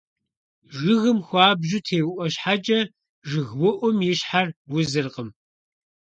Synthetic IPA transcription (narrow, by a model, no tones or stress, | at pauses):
ʒɨɣɨmxʷɑːbʒutʰeːwʔʷɔɕħat͡ʃʼɐ | ʒɨɣwʊʔʷʊmjɪɕħarwʊzɨrqəm